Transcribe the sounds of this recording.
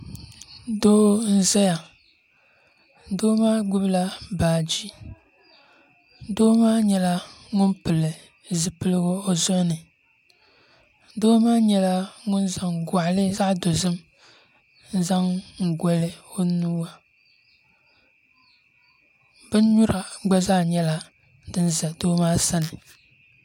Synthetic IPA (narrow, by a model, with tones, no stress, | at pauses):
doː˦n̩˦zɛ˦ja˨˦ | doː˦maː˦ɡ͡bu˦bɨ˦la˦baː˨d͡ʒi˦ | doː˦maː˦ɲɛ˦la˦ŋʊ˦npɨ˨lɨ˨ | zɨ˨pɨ˦lɨ˦ɣo˦o˦zɔ˦nɨ˨˦ | doː˦maː˦ɲɛ˦la˦ŋʊ˦nza˨ŋɡa˨lɨ˦za˦ʔdo˨zɨ˦m | n̩˦za˦ŋŋ̩˨ɡʷɔ˦lɨ˦o˦nuː˦wa˨ | b̥ɨ˦n˦ɲu˦ɾa˨ɡ͡ba˦zaː˦˨ɲɛ˦la˦ | dɨ˦n˦za˨doː˦maː˦sa˦nɨ˨